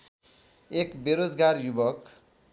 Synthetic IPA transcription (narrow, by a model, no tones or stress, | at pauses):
ekbeɾod͡zɡarjubʌk